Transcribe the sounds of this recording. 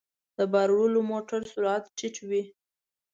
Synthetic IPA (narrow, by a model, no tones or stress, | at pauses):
d̪̥əbaɾwʊlomoʈaɾsuɾat̪t͡ʃɪt͡ʃwi